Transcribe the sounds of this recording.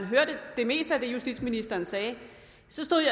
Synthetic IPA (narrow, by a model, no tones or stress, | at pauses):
nɦøɐd̥əd̥e̝me̝̰ːsd̥əæd̥e̝jusd̥ḭd̥sminisd̥ɐːnsɛː | sɒ̽sd̥o̝ðˠjɑ